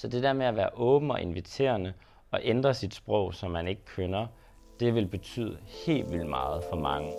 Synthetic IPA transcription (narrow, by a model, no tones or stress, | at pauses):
sɒ̽d̥e̝d̥eɐmeæʋæːɐʔɔ̽ːb̥n̩ɒ̽ʔe̝nʋit͡sʰe̝̰ːɐnə | ɒ̽ʔend̥ʁɐsid̥sb̥ʁɔʊ̰sɒ̽mːæne̝ɡ̥əkʰønɐ | d̥e̝ʋe̝lb̥e̝t͡sʰy̰ːðˠəhe̝̰ːlʋil̰d̥mɑ̈ːð̩ˠfɒ̽mɑ̈ŋə